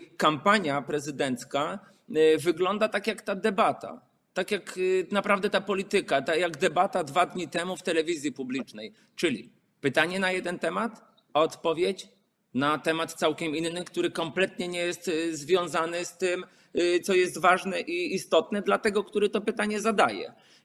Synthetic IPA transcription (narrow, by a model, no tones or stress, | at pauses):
kampaɲjapɾɛzɘd̪ɛnt̪ska | vɘɡlɔnd̪at̪akjakt̪ad̪ɛbat̪a̰ | t̪akʲjaknapɾavd̪ɛt̪apɔlʲit̪ɘkat̪ajaɡd̪ɛbat̪ad̪vad̪ɲit̪ɛmuft̪ɛlɛvʲizʲjipublʲit͡ʂnɛj | t͡ʂɘlʲḭ | pɘt̪aɲɛnajɛd̪ɛnt̪ɛmat̪ | ɔt̪pɔvʲjet͡ɕ | nat̪ɛmat̪t̪sawkʲɛminːɘkt̪uɾɘkɔmplɛt̪ɲɛɲɛjɛst̪zvʲjɔ̃w̃zanɘst̪ɘm | t̪sɔjɛst̪vaʐnɛʔiːst̪ɔt̪nɛd̪lat̪ɛɡɔkt̪uɾɛt̪ɔpɘt̪aɲɛzad̪ajɛ̰